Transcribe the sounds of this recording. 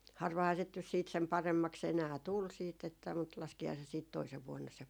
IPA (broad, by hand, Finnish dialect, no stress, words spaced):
hɑrʋɑhɑː sit nys siːt sem pɑremːɑks enæː tul siːt etːæ mut lɑskihɑː se siːt toiseʋ ʋuonːɑ se